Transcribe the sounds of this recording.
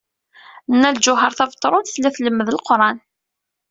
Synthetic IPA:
nːæld͡ʒʊɦəɾθævət̪ˤːɾˤʊθlæθləmːəðəlqɾˤɑn

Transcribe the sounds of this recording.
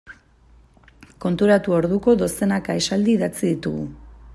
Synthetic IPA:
ko̞nt̪uɾat̪uo̞ɾðuko̞ðo̞se̞nakae̞sald̪iːðat͡siðit̪uɣṵ

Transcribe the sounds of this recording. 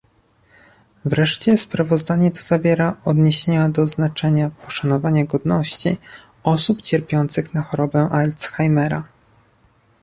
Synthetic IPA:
vɾɛʂt͡ɕɛspɾavɔzd̪aɲɛt̪ʰɔ̥zavʲjɛɾaɔd̪ɲeɕeɲad̪ɔznat͡ʂɛɲapʰɔʂanɔvaɲaɡɔd̪nɔɕt͡ɕḭ | ɔsupt͡ɕɛɾpʲjɔnt̪sɘxnaxɔɾɔbɛʔalt̪sxajmɛɾa

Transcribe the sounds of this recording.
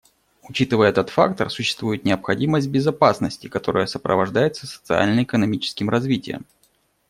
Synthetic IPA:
ʊt͡ɕit̪ɨvəjəɛt̪ət̪fa̰kt̪ərsʊɕːɪ̥st̪vujɪt̪nʲɪəpxɐdʲiməsʲt̚ʲbʲɪzɐpasnəsʲtʲɪkɐt̪o̞ɾʔə̰jəsəpɾʔə̰vɐʐd̪ajɪt̪səsə̥t̪sɨa̰lʲnəɪkənɐmʲit͡ɕɪ̥skʲɪmrɐzvʲitʲɪjə̰m

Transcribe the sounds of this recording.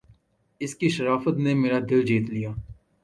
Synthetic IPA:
ɪskiʃɐɾaːfət̪nemeːɾad̪ɪld͡ʒiːt̪lijaː

